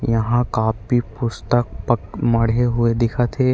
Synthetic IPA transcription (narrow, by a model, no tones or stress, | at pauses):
jɐɦãkaːpipʊst̪əkpəkmɐɽ̤eɦʊed̪ɪkʰat̪ʰeː